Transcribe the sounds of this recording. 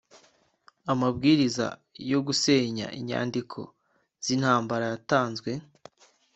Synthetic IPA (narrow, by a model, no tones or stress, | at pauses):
amabɡiːɾiza̰jo̞ɡuse̞ːɲa̰ʔiɲa̰ːndikʰo̞̰ | z̥inhaːmbaɾajataːnzɡwe̞